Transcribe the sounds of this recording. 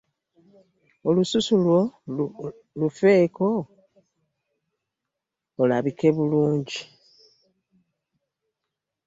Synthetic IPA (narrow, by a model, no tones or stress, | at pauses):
olususulwo̞ | lufe̞ːko̞ | olaβike̞βuluːɲɟi